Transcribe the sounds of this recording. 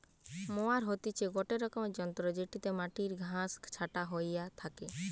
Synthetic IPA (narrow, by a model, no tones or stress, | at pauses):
moaɾɦot̪it͡ʃʰeɡɔʈeɾɔkɔmd͡ʒɔnt̪ɾɔd͡ʒeʈit̪emaʈiɾɡʱãskt͡ʃʰaʈaɦojjat̪ʰake